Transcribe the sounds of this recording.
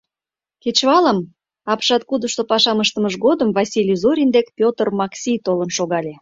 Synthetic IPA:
ket͡ɕβɑləm | ɑpʃɑt̪̚kud̪əʃt̪opɑʃɑməʃt̪əməʒɣod̪əmvɑsʲilʲizoɾʲind̪ekpʲot̪ərmɑksʲijt̪olənʃoɣɑlʲe

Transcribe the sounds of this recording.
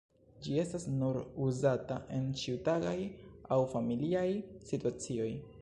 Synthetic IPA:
d͡ʒie̞stasnuɾuzataʔe̞nt͡ʃiutaɡajawfamiliajsituat͡sio̞j

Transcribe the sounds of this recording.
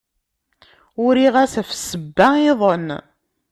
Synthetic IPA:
ʊɾiʁæsæfsəbːæiðˤən

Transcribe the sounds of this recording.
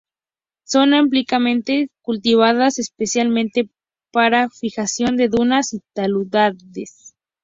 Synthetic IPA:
so̞namp̬likamẽ̞nt̪e̞kult̪iβ̞aðasespesjalmẽnt̪e̞ | paɾafixasjo̞nd̪e̞ðunasit̪aluðaðes

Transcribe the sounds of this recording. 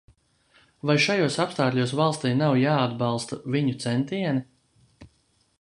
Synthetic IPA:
vajʃajuɔsapst̪aːkʎʲuɔsvalˠst̪ijnawjaːad̪bɑlˠst̪aviɲut̪sɛnt̪iɛni

